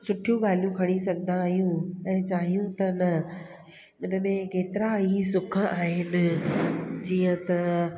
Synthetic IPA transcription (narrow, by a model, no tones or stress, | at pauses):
sʊʈʰijũɡaːljũkʰɐɽ̃isɐɡʱənd̪aːɦjũɛ̃ːt͡ɕaːɦijũt̪ɐɪnɐ | ɪnə̆mẽkeːt̪ɪɾaisʊk̆ʰaːɦɪnɪ̆ | d͡ʑiːə̃t̪ɐ